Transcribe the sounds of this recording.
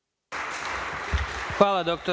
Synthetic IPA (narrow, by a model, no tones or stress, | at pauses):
xʋaːlˠad̪ok̚t̪o